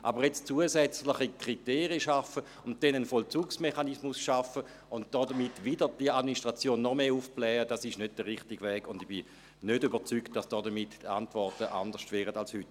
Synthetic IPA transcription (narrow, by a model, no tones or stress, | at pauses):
ʔa̰bəʁjɛt͡st͡suəsɛt͡slɪχikʁ̥iteːʁiəʃafə | ʊnt̚d̥ɛnənfɔlt͡suːksmeχanismʊsʃafə | ʊnt̚d̥ɔːdəmitvidəʁd̥iəadminiʃtʁ̥at͡sjoːnːɔmeːufplɛːəd̥asɪʃnød̚d̥əʁɪχtiɡvɛːɡʊndib̥i | nødybət͡syktd̥asd̥ɔːdəmita̰ntvɔʁtəʔa̰ndəʃtvɛːʁədalshyt